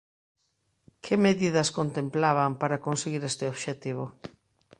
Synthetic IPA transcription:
kʰɪmeðiðɐskont̪emplaβ̞ampaɾakonseɣiɾest̪ɪoβʃet̪iβ̞o

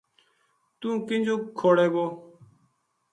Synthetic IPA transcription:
t̪ũːkɪnd͡ʒoːkʰːoːɽeːɡoː

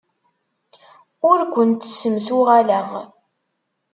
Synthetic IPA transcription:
ʊɾkʷənt̪ːə̥səmθʊʁalæʁ

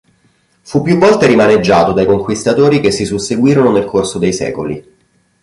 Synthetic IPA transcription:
fupːjuvːɔlt̪eɾimaned͡ʒːaːt̪od̪ajkoŋkwist̪at̪oːɾik̟esːisuseɡwiːɾononelkʰorsod̪ejsɛ̰ːkolḭ

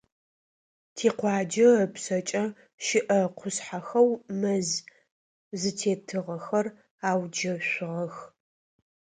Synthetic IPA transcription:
tʰeːqʷɑːd͡ʒɐːpsɐt͡ʃʼɐ | ʃɪʔɐqʷʰʊsħaxɐwmɐz | zɨtʰeːtʰɨʁɐxɐr | aːwd͡ʒɐɕʷʊʁɐx

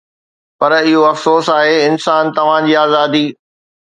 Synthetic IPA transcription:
pɐɾɪɦoɐfsoːsaːɦeɪnsaːnt̪ɐʋ̤ãd͡ʑiːaːzaːd̪iː

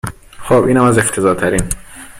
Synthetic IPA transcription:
xoːbʔiːnhæmæzeft̪ʰe̞zɒːt̪ʰæɾiːn

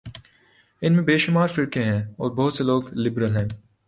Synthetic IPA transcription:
ɪnmẽbeːʃʊmaːɾfɪɾkẽɦɛ̃ːɔːɾbɐɦʊt̪seloːɡlɪbɾəlɦɛ̃ː

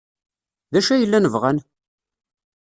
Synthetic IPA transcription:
ðæʃæjəlːænəvʁæn

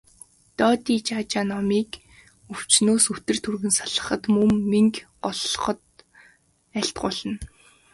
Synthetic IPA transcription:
t̪ɔːt̪iːt͡ɕaːt͡ɕaːnɔmiːk | ɵw̥t͡ɕnoːsut̪ɘ̆rt̪ʰurɣɘ̆nsaɮə̆χə̆t̪mɵmːiŋk | ɔɮ̆χɞ̆t̪ | æɬt̪̚ɢʊɮə̆n

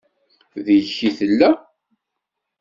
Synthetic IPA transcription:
ðəçiθəlːæ

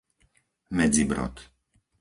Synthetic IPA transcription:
mɛd͡zibɾɔ̰t̪

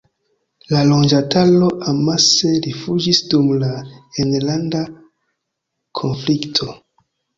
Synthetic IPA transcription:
lalo̞nd͡ʒatʰalo̞ʔamase̞ɾifud͡ʒisdumlaenlanda | kʰonfliktʰo̞

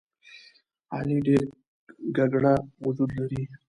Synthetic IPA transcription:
a̰liɖeɾ | ɡaɡɽaʊd͡ʒud̪laɾi

